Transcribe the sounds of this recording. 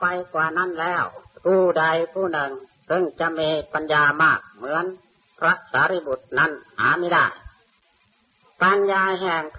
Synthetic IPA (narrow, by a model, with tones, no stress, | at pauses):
pa˧jkwaː˧na˥˨nlɛː˧˥˩wpʰuː˧˩da˧jpʰuː˧˩nɯ˧ŋ | sɯ˧˩ŋt͡ɕa˧˦miː˧pa˧njaː˧maː˧˩k̚mɯ˧˦˥ə˨nʰ | ɾa˧˥t̪̚saː˨˦ɾi˧˩bu˨˧˩t̪̚na˧˥˨nha̰ː˨˦miː˧˥˩da˧˩j | pa˧njaː˧ɦɛː˧˩ŋp